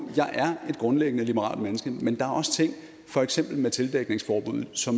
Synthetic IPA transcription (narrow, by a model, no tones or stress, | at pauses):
jɑ̈ɪʔæɐe̝d̥̚ɡ̥ʁɔ̽nleɡ̥ənəlib̥əʁɑ̰̈ːld̥menəsɡ̥əmend̥ɑ̈æɐʔɒ̽sə̥t͡sʰe̝ŋ̰ | fɒ̽eɡ̥sem̰b̥l̩met͡sʰe̝ld̥eɡ̥ne̝ŋsfɒːb̥uð̰̩ˠsɒ̽m